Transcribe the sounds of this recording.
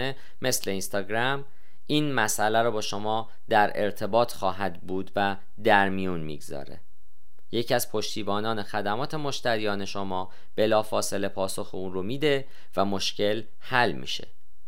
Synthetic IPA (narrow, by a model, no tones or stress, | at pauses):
e | me̞sle̞inst̪ɒːɡɾæm | ʔiːnmæsʔælæɾɔːbɒːʃo̞mɒː | d̪æɾe̞̰ɾt̪ʰe̞bɒːt̪ʰxɒːɦæd̪buːd̪væ | d̪æɾmijunmḭɡzɒ̰ːɾe̞̰ | jecʰiæz̥pʰo̞ʃt̪ʰiːbɒːnɒːne̞xæd̪æmɒːt̪ʰe̞mo̞ʃt̪æɾijɒːne̞ʃo̞mɒː | b̥e̞lɒːfɒːse̞le̞pʰɒːso̞xeunromiːd̪e̞ | væmo̞ʃcʰe̞l | hælmḭːʃe̞̰